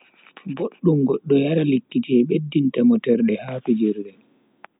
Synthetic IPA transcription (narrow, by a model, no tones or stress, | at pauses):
ɡoɗːumɡɔɗːɔjaɾalikːitɛɓedːintamɔtɛɾɗɛhaːpid͡ʒiɾɗɛ